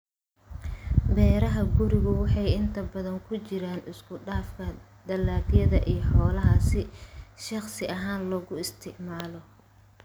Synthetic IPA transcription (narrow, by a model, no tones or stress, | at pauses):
bɛːɾɐɦɐɡʊɾɪɣʊwɑħɑjɪnt̪ʰɐbɐðɐŋkʰʊt͡ʃɪɾaːnɪskʰʊɖaːfkʰɐ | d̪̥ɐlːaːdjɐðɐʔijɞħɔːlɐɦɐsɪʃɑχsɪʔɐɦaːnlɔːɣʊɪst̪ʰɪʕmaːlɔ